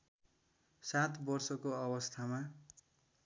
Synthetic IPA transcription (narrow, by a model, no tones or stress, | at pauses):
sat̪bʌrsʌkoʌbʌst̪ʰama